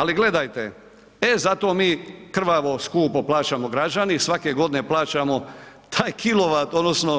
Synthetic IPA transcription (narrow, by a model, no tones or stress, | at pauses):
aliɡle̞d̪ajt̪e | ezat̪o̞ːmiːkr̩ʋaʋo̞skuːpoplˠaːt͡ʃamo̞ɡɾad͡ʒanisʋake̞ɡo̞d̪ine̞plˠaːt͡ʃamo̞ | t̪ʰaːjkʰilo̞ʋat̪od̪nosno